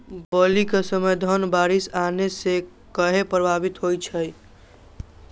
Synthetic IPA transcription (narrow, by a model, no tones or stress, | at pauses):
bəlikesəməjd̪ʱənbaɾisanese | kəɦepɾəbʱabit̪ɦojt͡ʃʰəj